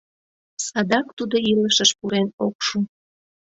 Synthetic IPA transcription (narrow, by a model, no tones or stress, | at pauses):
sɑd̪ɑkt̪ud̪oiləʃəʃpuɾenokʃu